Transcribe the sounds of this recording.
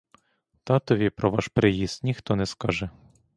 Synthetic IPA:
t̪ɑt̪ɔʋʲipɾɔʋɑʃpɾɪjist̪nʲixt̪ɔnɛskɑʒɛ

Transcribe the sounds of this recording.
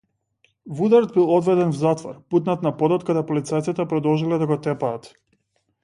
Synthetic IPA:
vud̪aɾɔd̪̚bilˠɔd̪vɛd̪ɛnvzat̪vɔ̰ɾput̪nat̪napɔd̪ɔt̪kad̪ɛpɔlit̪sajt̪sit̪ɛpɾɔd̪ɔlˠʒilɛd̪aɡɔt̪ɛpaːt̪

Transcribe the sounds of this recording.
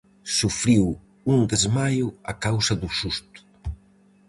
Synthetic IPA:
sufɾiw | und̪ezmajua̰kawsɐðusust̪u̥

